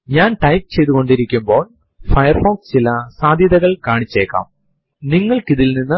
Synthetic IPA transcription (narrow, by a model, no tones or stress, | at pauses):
ɲaːnʈɐjp̚t͡ɕe̞jt̪uɣo̞ɳɖiɾikʲːumbo̞ːɭ | fɐjɐrfoːkst͡ɕilɐsaːd̪ʱjɐðɐɣɐɭkaːɳit͡ɕːeːkːa̰ːm | niŋːɐɭkiðilninːɨ